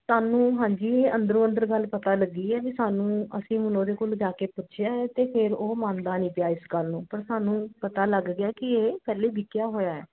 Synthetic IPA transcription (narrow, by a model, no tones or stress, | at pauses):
saːnũːɦãːɲd͡ʒiːeə̃nd̪əɾõːə̃nd̪əɾɡəlpət̪aːləɡiːɛːʋiːsaːnũːəsĩːmʊnõːd̪eːkold͡ʒaːkeːpʊtːʃʰjaːt̪eːpʰɪɾoːmãːnd̪aːnĩːpjaːɪsɡəlnũːpəɾsaːnũːpət̪aːləɡɡɪaːkɪeːpɛːleːbʱɪkjaːɦoːjaːɛ̰ː